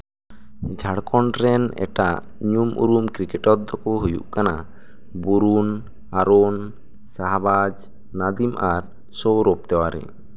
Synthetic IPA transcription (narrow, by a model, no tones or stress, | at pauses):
d͡ʒʱaɽkʰɔɳɖɾɛnɛ̰ʈaʔ | ɲumʔṵɾumkɾikɛʈɔt̪̚d̪ɔkɔɦujṵʔkana | buɾun | aɾon | saɦabad͡ʒ | nad̪imaɾ | sowɾop̚t̪ɛwaɾɛ̰